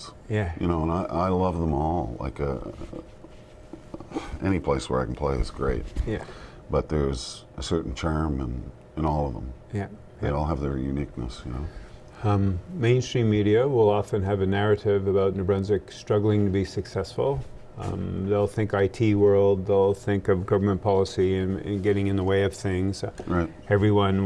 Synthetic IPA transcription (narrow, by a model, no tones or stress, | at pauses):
jæjɨ̰noʊə̃naɪʔaɪlʌvðə̃mɔlˠla̰ɪkɨ | ɛñipʰl̥eɪswə̰˞a̰ɪkn̩pʰl̥eɪɨ̰zɡɹeɪt̚jæ | b̥ʌt̪̚ðə˞z | ɨsɜ˞ʔn̩t͡ʃʰɑɹmə̃n | ɨ̃nɔlˠʌvðə̰̃mjæ | eɪɔlˠəvðə˞jʉnik̚nə̰sjɨno̰ʊ | ẽɪ̃nstɹ̥ĩmːiɾiɨwɪlˠɑfɨ̃nɨvɨnæɹɨɾɪvɨbaʊtⁿnɨbɹɛ̃nzɨkstɹ̥ʌɡl̩ˠɪ̃ŋtʰɨbisɨksɛsfl̩ˠ | ðeɪlˠθɪ̃ŋkaɪtʰiwɜ˞lˠd̪̚ðeɪlˠθɪ̃ŋkʌvɡʌvə˞mə̃npʰɑlˠəsiɨ̃nɨ̰̃nɡɛɾɪ̃ŋɨ̃nðəweɪʌv̥θɪ̃ŋz̥ɹaɪtɛvɹiwʌ̃n